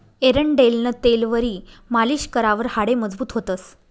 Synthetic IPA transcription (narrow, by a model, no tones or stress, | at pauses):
eɾəɳɖelnət̪elʋəɾiːmaliːɕkəɾaʋəɾhaɽeməd͡zbuːt̪ɦot̪əs